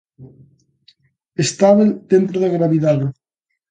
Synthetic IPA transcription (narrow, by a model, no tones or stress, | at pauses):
est̪aβed̪ent̪ɾoðaɣɾaβiðaðe